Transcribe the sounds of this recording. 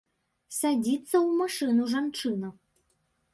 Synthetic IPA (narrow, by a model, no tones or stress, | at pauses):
sad͡zʲit̪sːɐwmaʂɨnuʐant͡ʂɨnɐ